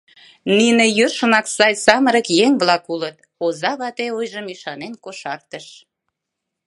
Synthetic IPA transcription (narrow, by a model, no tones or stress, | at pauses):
ninejøʃənɑksɑjsɑməɾəkjeŋβlɑkulət̪̚ | ozɑβɑt̪eujʒəmiʃɑnenkoʃɑrt̪əʃ